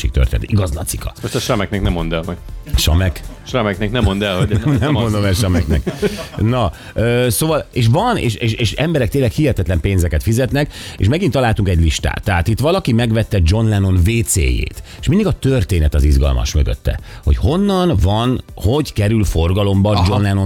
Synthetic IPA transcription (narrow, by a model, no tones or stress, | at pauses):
ʃik̚t̪ø̰rt̪eːnɛ̰t̪iɡɒzlɒt̪sikɒ̰moʃt̪ɛʃrɒmɛk̚nɛknɛmːond̪ɛlmɒjʃɒ̰mɛkʃrɑmɛkneknɛmːond̪ɛlhonɛmːond̪omɛlʃɒmɛknɛ̰knɒ | øːsoːvɒleːʃʋɒnḛːʃeːʃeːʃɛmbɛɾɛk̚t̪eːnlɛkhihɛt̪ɛt̪lɛmpeːnzɛkɛt̪fizɛt̪nɛkḛːʃmɛɡint̪ɒlaːlt̪uŋkɛɟliʃt̪a̰ːt̪ːɛɦat̪it̪ʋɒlɒkimɛɡʋɛt̪ːɛd͡ʒo̞nlɛno̞nveːt̪sḛːjḛːt̪eːʃmind̪iɡɒt̪ørt̪eːnɛt̪ɒzizɡɒ̰lmɒ̰ʃmøɡø̰t̪ːɛ̰ | ho̞̰cho̞nːɒnvɒnho̞ɟkɛɾylfo̞rɡɒlo̞mbɒd͡ʒo̞nlɛno